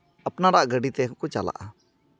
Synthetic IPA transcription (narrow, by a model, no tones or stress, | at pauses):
apnaɾaʔɡəɖit̪ɛkɔkɔt͡ʃala̰ʔa